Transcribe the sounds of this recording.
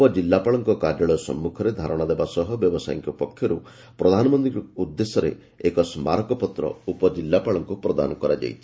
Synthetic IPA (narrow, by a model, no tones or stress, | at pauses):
upɔd͡ʒilːapaɭɔŋkɔkaɾjaɭɔjɔsɔ̰mːukʰɔɾed̪ʱaɾɔɽ̃ad̪ebasɔɦɔbjɔbɔsa̰jŋkɔpɔkʰːjɔɾu | pɾɔd̪ʱanɔmɔnd̪ĩud̪ːesɔɾḛ | ekɔsma̰ɾɔkɔpɔt̪ɾɔ̰upɔd͡ʒilːapaɭɔŋkupɾɔd̪a̰nɔkɔɾa̰d͡ʒa̰jt͡ʃʰi̥